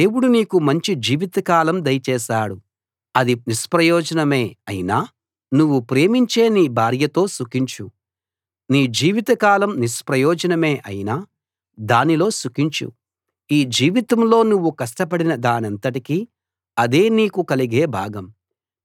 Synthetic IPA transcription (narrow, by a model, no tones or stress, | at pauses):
d̪e̞ːwuɽuniːkumɐɲt͡ʃid͡ʒiːʋit̪ɐkaːlɐmd̪ɐjt͡ʃɛːʃaːɽu | ɐd̪inispɾɐjɔːd͡ʒɐnɐme̞ːɐjinaː | nuʋːupɾe̞ːmiɲt͡ʃe̞ːniːbʱaːɾjɐt̪o̞ːsukiɲt͡ʃu | niːd͡ʒiːʋit̪ɐkaːlɐmnispɾɐjɔːd͡ʒɐnɐme̞ːʔɐ̰jinaː | d̪aːnilo̞ːsukiɲt͡ʃṵ | iːd͡ʒiːʋit̪ɐmlo̞ːnuʋːukɐʂʈɐpɐɽinɐd̪aːnɐnt̪ɐʈiki | ɐd̪e̞ːniːkukɐliɡe̞ːbʱaːɡɐm